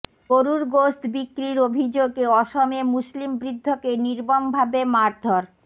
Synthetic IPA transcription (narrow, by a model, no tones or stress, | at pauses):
ɡoɾuɾɡost̪bikːɾiɾobʱid͡ʑoɡeɔʃomemuslimbɾid̪ʱːokeniɾbombʱabemaɾd̪ʱoɾ